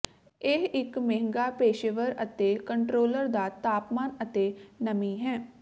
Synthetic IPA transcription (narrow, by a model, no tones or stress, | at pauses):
ɪɦɪkmeːɪŋɡaːpeːʃeʋəɾət̪eːkəɳʈɾoːləɾd̪aːt̪aːpmaːnət̪eːnəmiːɦɛ̃ː